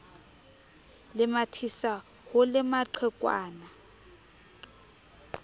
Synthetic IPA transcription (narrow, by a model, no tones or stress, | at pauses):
lɪmatʰisa | hʊlɪmaǃʰɛkʼwa̰ːna